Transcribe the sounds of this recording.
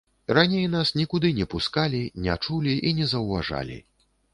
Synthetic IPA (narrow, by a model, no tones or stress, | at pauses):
ranʲejnasnʲikud̪ɨnʲɛpuskalʲinʲɛat͡ʂulʲiʔinʲɛzɐwva̰ʐa̰lʲḭ